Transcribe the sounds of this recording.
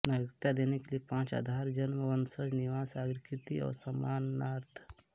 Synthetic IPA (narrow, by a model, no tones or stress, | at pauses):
naɡɾt̪ad̪eːnekeliepãːt͡ʃa̰ːd̪ʱaːɾd͡ʒənməʋənsəd͡ʒniʋaːsaːɡɾkɾɪt̪iɔ̰ːɾsɐmaːnːaːɾt̪ʰ